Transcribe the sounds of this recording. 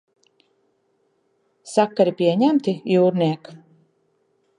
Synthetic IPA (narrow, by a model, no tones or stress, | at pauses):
sakːaɾipʲiɛɲæmt̪ijuːɾniɛk